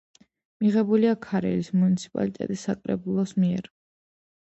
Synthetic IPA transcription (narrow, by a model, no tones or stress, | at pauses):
miʁɛbuliakʰaɾɛ̰lismunit̪sʰi̥pʼa̰lit̪ʼɛ̰t̪ʼisːakʼɾɛ̰bulˠɔsmiɛɾ